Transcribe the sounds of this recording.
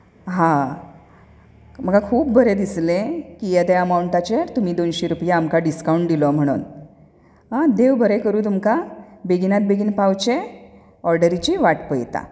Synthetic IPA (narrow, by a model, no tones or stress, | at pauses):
ɦã | m̤əɡakʰuːpbʱəɾed̪islẽkijəd̪eəmawɳʈat͡ɕeɾt̪um̤iːd̪onɕeɾupjaːmkaɖiskauɳʈ̚d̪ilɔm̤əɽ̃ṵːn | ɦãd̪eʋbʱəɾekəɾuːt̪̬umkabeɡʱinat̪̚beɡʱiːnpawt͡ɕe | ɔɾɖəɾit͡ɕiʋaʈpəjt̪a̰